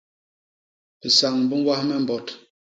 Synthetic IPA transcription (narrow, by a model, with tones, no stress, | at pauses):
pə˨sa˨ŋ˨bə˦ŋ˦wa˦hmɛ˦˨m̩˨bɔ˨t